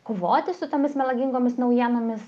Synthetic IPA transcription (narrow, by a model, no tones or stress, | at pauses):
koːʋoːt̪ʲɪsʊt̪oːmʲɪsmʲɛlˠɐɡʲiŋɡoːmʲɪsnɐʊjiɛnoːmʲɪs